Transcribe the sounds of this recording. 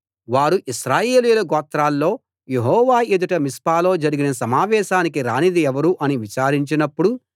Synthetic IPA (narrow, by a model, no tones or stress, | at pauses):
ʋaːɾuʔisɾaːjeːlijlɐɡɔːt̪ɾaːlːo̞ː | jeɦɔːʋaːed̪uʈɐmispaːlo̞ːd͡ʒɐɾiɡinɐsɐmaːʋɛːʃaːnikiɾaːnid̪iɛʋɐɾuʔɐniʋit͡ʃaːɾiɲt͡ʃinɐpːuɽu